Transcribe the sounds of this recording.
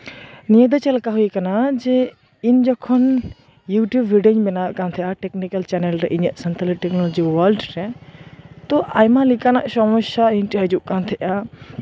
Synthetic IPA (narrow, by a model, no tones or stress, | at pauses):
nijəd̪ət͡ʃɐlkaɦuikanad͡ʒɛ | ind͡ʒɔkʰɔn | juʈjubːiɖeɲbɛnakant̪ʰɛʔaʈɛknikɐlt͡ʃɛnelɾɛʔiɲəʔsɐnt̪ələʈɛknɔlɔd͡ʒiwəlɖɾɛ | t̪ɔʔajmãlikana̰ʔsɔmɔʃainʈiɦɐd͡ʒuʔkant̪ʰɛʔa